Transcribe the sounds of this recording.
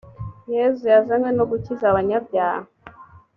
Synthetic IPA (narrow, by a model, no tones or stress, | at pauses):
jezujazanɡwenoɡucizaβaɲabjaːho